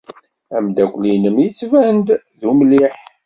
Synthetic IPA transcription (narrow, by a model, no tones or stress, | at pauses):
æmd̪ækʷlinəmjit͡sːvænd̪ | ðumliħ